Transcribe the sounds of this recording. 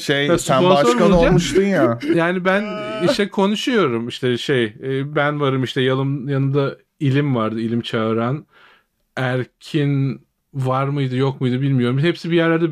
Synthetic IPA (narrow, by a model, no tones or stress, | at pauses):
ʃejsæponaoaod͡ʒamuʃt̪ɯnjajaːnibæniʃʃt̪ɛkʰo̞nuʃujo̞ɾumiʃt̪ʰɛʃejːbænvaɾɯmiʃt̪ʰɛjalˠɯmjanɯmd̪a | ilʲimvaɾd̪ɯilʲimt͡ʃʰaɯɾan | æɾcʰin | vaɾmɯjd̪ɯjo̞kmɯjd̪ɯbilʲmijo̞ɾumhepsibijæɾlʲæɾd̪ɛ